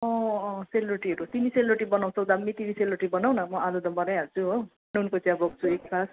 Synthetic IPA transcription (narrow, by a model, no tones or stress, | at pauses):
ʌ̃seluɾeʈiɦʌɾut̪iniseluɾʈibʌnaw̃t͡sʰʌwd̪amːit̪iniseluɾʈibʌnaw̃nʌmʌadʌd̪ʌbʌnajɦʌrt͡sʰuɦo | nunkʌt͡sjãbʌɡ̚t͡sʰueksas